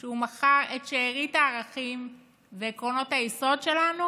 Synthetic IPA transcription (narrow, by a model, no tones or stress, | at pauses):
ʃeumaχaʁetʃeːʁitaːʁaχim | vekʁo̞no̞thajiso̞dʃelanu